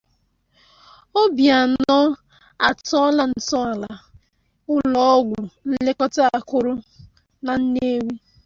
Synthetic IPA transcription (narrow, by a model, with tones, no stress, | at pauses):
o˦bja˨nɔ˦ | a˨tɔ˦la˦n̩˨tɔ˦a˨la˨ | ʊ˦lɔ˦ɡʷʊ˨n̩˦le˦kɔ˦ta˦a˨kʊ˦ɾʊ˦ | na˨n̩˦ne˦wi˦